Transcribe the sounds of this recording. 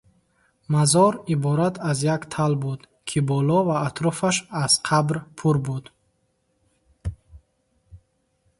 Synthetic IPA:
mazɔɾibɔɾat̪ʰazjakt̪ʰalbud̪ | kʰibɔlɔvaːt̪ʰɾɔfaʃaz̥qʰabɾpʰuɾbud̪

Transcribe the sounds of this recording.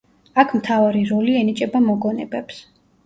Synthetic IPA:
akʰmt̪ʰavaɾiɾɔliɛnit͡ʃʼɛbamɔɡɔnɛbɛps

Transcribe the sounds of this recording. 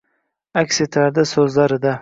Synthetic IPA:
akʲset̪ʰlaɾd̪asɵzlaɾɪd̪a

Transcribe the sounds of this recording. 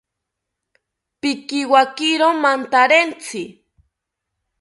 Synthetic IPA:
pɪkɪwakɪɾomant̪aɾent͡sɪ

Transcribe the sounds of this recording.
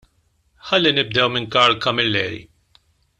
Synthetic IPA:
ħɐlːinɪb̚d̪ɛwmɪŋkɐɾlkɐmɪlːɛːɾḭ

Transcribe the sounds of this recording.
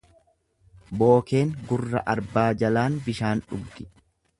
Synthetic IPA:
bo̞ːke̞ːŋɡʊrːɐ̰ʔɐɾbaːd͡ʒɐlaːnbɪʃaːnᶑʊɡɡɪ

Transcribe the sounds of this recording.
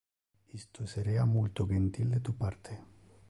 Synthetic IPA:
ist̪oseɾeamult̪oɡent̪ild̪et̪upaɾt̪ʰe

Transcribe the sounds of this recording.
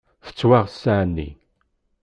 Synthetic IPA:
θə̥t͡sːwaʁsaʕnːḭ

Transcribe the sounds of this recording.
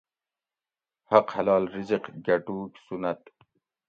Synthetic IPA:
hɐqhɐlɑːlɾiziqɡɐʈuːksunɐt̪̚

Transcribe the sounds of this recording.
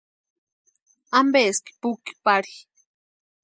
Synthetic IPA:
ambeski̥puki̥paɾi

